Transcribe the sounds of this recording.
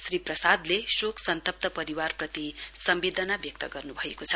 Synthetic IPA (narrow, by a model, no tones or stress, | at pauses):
sriprʌsad̪lesokʰsʌnt̪ʌp̚t̪ʌpʌɾiwarprʌt̪isʌmbed̪ʱʌnabjʌk̚t̪ʌɡʌrnubʱʌekot͡sʰʌ